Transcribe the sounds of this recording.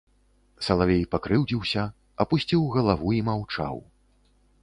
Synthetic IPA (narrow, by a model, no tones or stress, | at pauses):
sɐlˠavʲejpakɾɨwd͡zʲiwsʲɐ | ɐpusʲt͡sʲiwɣɐlˠavuimawt͡ʂa̰w